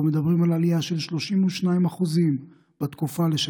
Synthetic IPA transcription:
med̪abʁimalaliaʃe̞lʃlo̞ʃimuʃnaimaχuzim | b̥at̪kufaleʃ

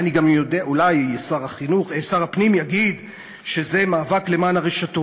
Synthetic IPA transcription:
aniɡamjodeaʔulajesaʁaχinuχsaʁhapnimjaɡid̪ | ʃe̞ze̞maːvakle̞maːnaʁeʃato

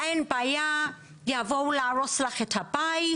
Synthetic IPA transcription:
ɛnbaja | ljavowlaɹɔslaχetʰabaj

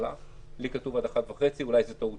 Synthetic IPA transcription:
la̰ | likatuvad̪aχat̪vaχe̞t͡siulajzetou

